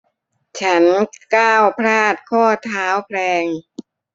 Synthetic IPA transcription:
t͡ɕʰa˦˥nkaː˥˩wpʰɾaː˥˩t̪̚kʰɔː˥˩t̪ʰaː˦˥wpʰlɛː˧ŋ

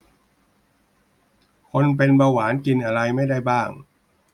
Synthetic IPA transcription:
kʰo˧np̬e˧nbaː˧waː˩˦nki˧nʔa˧ɾa˧jma˥˩jda˥˩jbaː˥˩ŋ

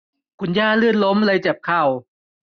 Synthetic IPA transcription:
kʰu˧njaː˥˩lɯ˥˩ən̚lo˦˥mla˧jt͡ɕa˨˩p̚kʰa˧˥˩w

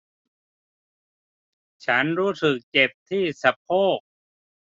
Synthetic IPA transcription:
t͡ɕʰa˦˥nɾuː˦˥sɯ˨˩k̚t͡ɕe˨˩p̚t̪ʰiː˥˩sa˧˦p̚ʰoː˥˩k̚

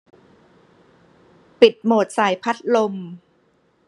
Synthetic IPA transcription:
pi˨˩t̪̚moː˨˩t̪̚saː˩˦jpʰa˦˥t̪̚lo˧m

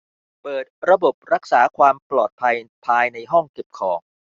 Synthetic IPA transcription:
pɤː˨˩t̪̚ɾa˧bo˨˩p̚ɾa˦˥k̚saː˩˦kʰwaː˧mplɔː˨˩t̪̚pʰa˧jpʰaː˧jna˧jɦɔ˥˩ŋke˨˩p̚kʰɔː˩˦ŋ

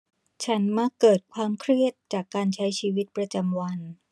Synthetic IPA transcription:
t͡ɕʰa˦˥nma˧˥kːɤː˨˩t̪̚kʰwaː˧mkʰɾi˥˩ət̪̚t͡ɕaː˨˩kːaː˧nt͡ɕʰa˦˥jt͡ɕʰiː˧wi˦˥t̪̚pɾa˧t͡ɕa˧mwa˧n

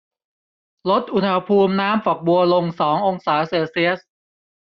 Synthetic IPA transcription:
lo˦˥t̪̚ʔu˧nha˧pʰuː˧mnaː˦˥mfɔ˨˩k̚bu˧ɐlo˧ŋsɔː˩˦ŋʔo˧ŋsaː˩˦seː˧si˦˥əs̚

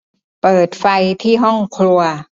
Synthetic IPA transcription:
pɤː˨˩t̪̚fa˧jt̪ʰiː˥˩ɦɔ˥˩ŋkʰɾu˧ɐ

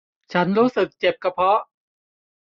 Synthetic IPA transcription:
t͡ɕʰa˦˥nɾuː˦˥sɯ˨˩k̚t͡ɕe˨˩p̚kʰa˧˩pʰɔ˦˥

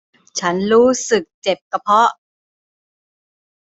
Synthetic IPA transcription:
t͡ɕʰa˦˥nɾuː˦˥sɯ˨˩k̚t͡ɕe˨˩p̚ka˧pʰɔ˦˥

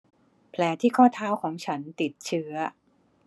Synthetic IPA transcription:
pʰlɛː˩˦t̪ʰiː˥˩kʰɔː˥˩t̪ʰaː˥˩wkʰɔː˩˦ŋt͡ɕʰa˦˥nt̪i˨˩t̪̚t͡ɕʰɯ˦˥ɐ

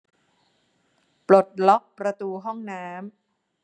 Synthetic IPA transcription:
plo˨˩t̪̚lɔ˦˥k̚pɾa˧t̪uː˧ɦɔ˥˩ŋnaː˦˥m

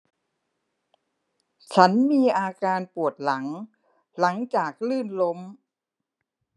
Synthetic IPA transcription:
t͡ɕʰa˦˥nmiː˧ʔaː˧kaː˧npu˨˩ət̪̚la˩˦ŋ | la˩˦ŋt͡ɕaː˨˩k̚lɯː˥˩nlo˦˥m

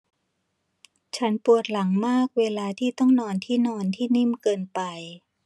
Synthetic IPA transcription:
t͡ɕʰa˦˥npu˨˩ət̪̚la˩˦ŋmaː˥˩k̚weː˧laː˧t̪ʰiː˥˩t̪ɔ˥˩ŋnɔː˧nt̪ʰiː˥˩nɔː˧nt̪ʰiː˥˩ni˥˩mkɤː˧npa˧j

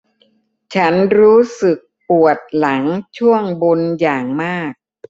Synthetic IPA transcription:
t͡ɕʰa˦˥nɾuː˦˥sɯ˨˩k̚pu˨˩ət̪̚la˩˦ŋt͡ɕʰu˥˩əŋbo˧njaː˨˩ŋmaː˥˩k̚

